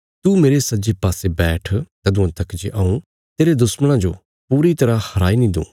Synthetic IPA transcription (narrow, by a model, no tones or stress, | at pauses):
t̪umeːɾesɐd͡ʒepaːsebɛːʈʰt̪ɐd̪ʊ̃ãt̪ɐkd͡ʒeʔaːũ | t̪eːɾed̪ʊsməɽ̃ãd͡ʒo | puːɾit̪ɐɾahɐɾaːinĩd̪ṵ̃ː